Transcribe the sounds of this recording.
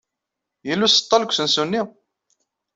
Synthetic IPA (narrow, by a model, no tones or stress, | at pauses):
jəlːusə̥t̪ˤːɑlkʷːsənsunːi